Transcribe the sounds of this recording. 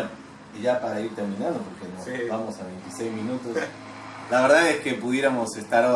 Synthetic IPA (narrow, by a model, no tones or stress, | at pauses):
iʒapaɾaiɾt̪eɾmĩnãnd̪opoɾkenosbamosaβejnt̪isejzmĩnut̪os | laβeɾðaðeskepuðjeɾamo̞sest̪aɾo